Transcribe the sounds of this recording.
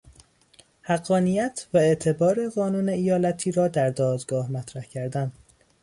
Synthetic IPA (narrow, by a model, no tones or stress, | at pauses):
hæɢːɒːnijæt̪ʰvæe̞ʔt̪ʰe̞bɒːɾe̞ɣɒːnuːne̞ijɒːlæt̪ʰiːɾɒːd̪æɾd̪ɒːd̪ɡɒːhmæt̪ʰɾæhcʰæɾd̪æn